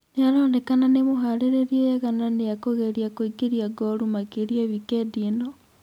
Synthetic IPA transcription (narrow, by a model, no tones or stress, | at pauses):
nejaɾoːndekananemoɦaɾeɾeɾiejeɣananejakoɣeɾiakoiɡeɾiaɡoɾumakeɾiaβikedino